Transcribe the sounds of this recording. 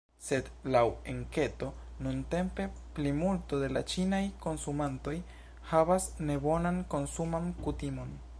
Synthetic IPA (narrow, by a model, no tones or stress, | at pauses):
se̞dlaweŋke̞to̞ | nunte̞mpe̞plimulto̞de̞lat͡ʃinajko̞nsumanto̞j | havasne̞bo̞nanko̞nsumankutimo̞n